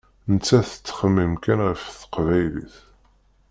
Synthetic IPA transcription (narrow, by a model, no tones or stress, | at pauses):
nət͡sːæθə̥t͡sːχəmːimkænʁəfθə̥qvæjlḭθ